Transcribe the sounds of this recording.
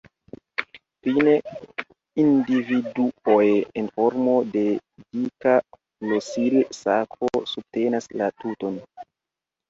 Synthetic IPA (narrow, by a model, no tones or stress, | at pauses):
fine | individuojenfoɾmo̞de̞dika | flosilsakʰosub̚te̞naslatuton